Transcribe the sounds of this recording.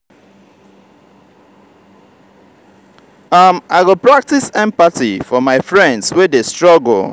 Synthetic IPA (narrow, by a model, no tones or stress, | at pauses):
ʌmaɪwɪlˠpɹak̚tisɛ̃mpatifɔmaɪfɹɛ̃ndswedestɹɔɡl̩